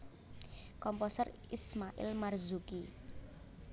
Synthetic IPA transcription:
kɔmpɔsər | ismaʔɪ̰lmarzuki

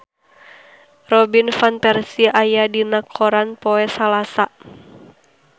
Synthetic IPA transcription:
rɔbinfanpɛrsiajadinakʰːɔɾanpɔɛsalasa

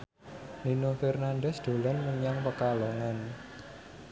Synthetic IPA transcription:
ninofɛrnanɖɛsd̪̥o̤lanməɲaŋpəkaloŋan

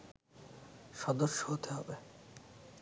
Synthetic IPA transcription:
ʃɔd̪oʃːoɦot̪eɦɔbe

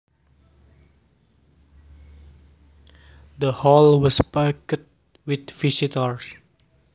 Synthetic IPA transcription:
d̪əhɔlwɔspakət̪̚ | wit̪fisit̪əɹs

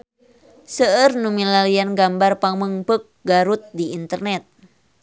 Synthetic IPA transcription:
səərnumilalianɡambarpaŋməŋpək̚ɡaɾut̪̚diint̪ərnɛt̪̚

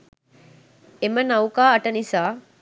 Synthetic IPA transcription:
emənɐwkaːɐʈənisaː

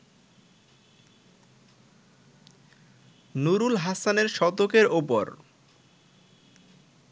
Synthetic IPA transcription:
nuɾulɦasaneɾʃɔt̪okeɾopoɾ

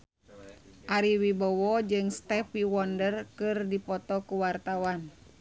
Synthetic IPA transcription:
ʔaɾiwibɔwɔd͡ʒɨŋst̪ɛpiwɔndərkɨrdipɔt̪ɔkuwart̪awan

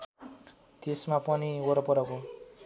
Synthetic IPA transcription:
t̪esmapʌnioɾʌpʌɾʌko

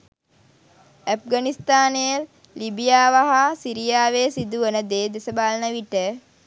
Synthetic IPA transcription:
əp̚ɡanist̪aːnejəl | libijaːʋaɦasiɾijaːʋeːsid̪uʋənəd̪eːd̪esəbaːlənəʋiʈə

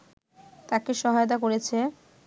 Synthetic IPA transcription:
t̪akeʃɔɦajot̪̬ak̬oɾet͡ɕʰe

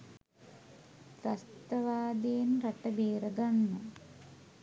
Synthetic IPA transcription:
ɾɐst̪ɐʋaːd̪eːnɾɐʈːɐbeːɾɐɡɐnːɐ

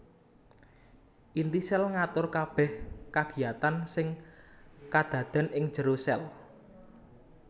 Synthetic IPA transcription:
ʔint̪isɛlŋat̪ʊrkab̥ɛhkaɡ̥i̤jat̪ansɪŋ | kad̪̥ä̤d̪̥a̤nɪŋ̥ʒ̥əɾosɛl

